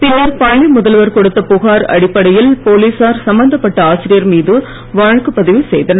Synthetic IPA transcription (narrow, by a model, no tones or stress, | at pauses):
pɪnːɐɾpɐːɳimʊðɐlʋɐɾkɔɽɯt̪ːɐpʊɣaːɾɐ̰ɽɪpːɐɽɐjɪlpoːliːsaːɾsɐmbɐnd̪ɐpːɐʈːɐaːsɪɾɪjɐɾmiːðɯ | ʋaːɻɐkɯpːɐðɪʋɯsɛjðɐnɐ